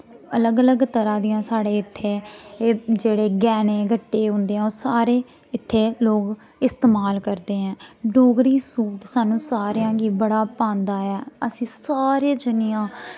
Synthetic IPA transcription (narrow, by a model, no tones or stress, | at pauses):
ələɡələɡt̪əɾãːd̪ijãːsaːɽeːɪt̪ʰːeː | d͡ʒeːɽeːɡɛːneːɡʱəʈːeːɦʊ̃ːnd̪eːɛ̃ːoːɾsaːɾeː | ɪt̪ʰːeːloːɡ | ɪst̪eːmaːlkəɾd̪eːɦɛ̃ːɖoːɡɾiːsuːʈsaːnũːsaːɾjãːɡiːbəɽaːpãːnd̪aːɛːəsĩːsaːɾeːd͡ʒɪnɪjãː